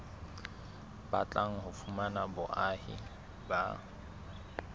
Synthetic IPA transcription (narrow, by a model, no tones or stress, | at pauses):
bat͡ɬʼaŋ̩hʊfumanabʊʔahɪ̰ | ba